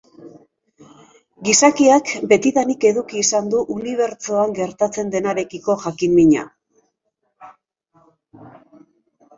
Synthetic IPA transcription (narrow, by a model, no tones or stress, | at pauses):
ɡisakiakbe̞t̪iðanike̞ðukiːsand̪uʔuniβ̞e̞ɾt͡soaŋɡe̞ɾt̪at͡se̞nd̪e̞naɾe̞kiko̞ʝakimːiɲa̰